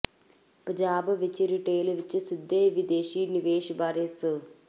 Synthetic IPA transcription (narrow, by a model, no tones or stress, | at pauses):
pɐd͡ʒaːbʋit͡ʃiɾiʈeːlʋit͡ʃːɨsid̪ʱːeːʋid̪eːʃiːniʋeːʃbaːɾeːsɨ